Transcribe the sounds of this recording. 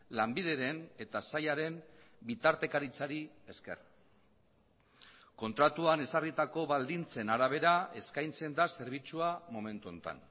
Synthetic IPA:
lambið̞e̞ɾe̞ne̞t̪asajaɾe̞mbit̪aɾt̪e̞kaɾit͡saɾi | e̞ske̞̰r | ko̞nt̪ɾat̪uane̞sarit̪ako̞βald̪int͡se̞naɾaβ̞e̞ɾae̞skajnt͡se̞nd̪ase̞ɾβ̞it͡suamo̞me̞nt̪uo̞nt̪a̰n

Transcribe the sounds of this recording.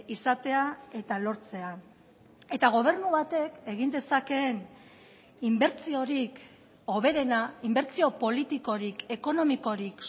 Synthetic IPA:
isat̪e̞ae̞t̪alo̞ɾt͡se̞a | e̞t̪aɣ̞o̞β̞e̞ɾnuβat̪e̞ke̞ɣind̪e̞sake̞ːn | imbe̞ɾt͡sio̞ɾik | o̞β̞e̞ɾe̞naimbe̞ɾt͡sio̞po̞lit̪iko̞ɾike̞ko̞no̞miko̞ɾik

